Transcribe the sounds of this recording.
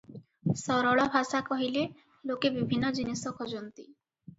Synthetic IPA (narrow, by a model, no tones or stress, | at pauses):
sɔɾɔɭɔbʱasakɔɦile | lokebibʱinːɔd͡ʒinisɔkʰɔd͡ʒɔnt̪i